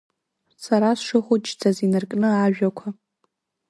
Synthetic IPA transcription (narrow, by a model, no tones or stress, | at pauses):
saɾasʂɨχʷʊt͡ʃʰd͡zʰʼazinɨrkʼnɨaʒᶣakʷʰa